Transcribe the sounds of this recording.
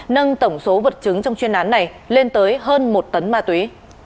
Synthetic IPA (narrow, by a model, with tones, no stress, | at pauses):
nə˧nt̪ə˧˩wŋ͡mso˨˦və˨˩t̚t͡ɕɨ˨˦ŋt͡ɕɔ˧wŋ͡mt͡ɕwi˧nʔaː˨˦nːa˨˩j | le˧nt̪əː˨˦jɦəː˧nmo˨˩t̚t̪ə˨˦nmaː˧t̪wi˨˦